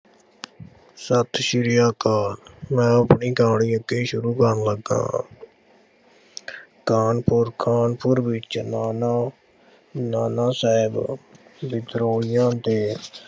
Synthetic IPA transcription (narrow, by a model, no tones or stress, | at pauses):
sət̪ʰʃɪɾɪjaːkaːnmɛ̃ːəpɳiːkãːɽiːəɡeːʃʊɾuːkəɾnləɡã̰ː | kaːnpʊɾkʰaːnpʊɾbɪt͡ʃnaːna | naːnaːsaːɪbbɪt̪ɾoːɽɪjãːt̪eː